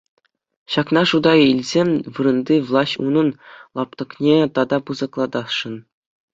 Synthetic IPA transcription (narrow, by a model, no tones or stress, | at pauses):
ɕɑknɑʂud̪ɑilʲzʲemʲʋɯɾɤ̆nd̪ʲiʋlˠɑsʲṵnɤ̆nlˠɑp̚t̪ɤ̆knʲet̪ɑd̪ɑpɯzɤ̆klˠɑd̪ɑsʂɤ̆n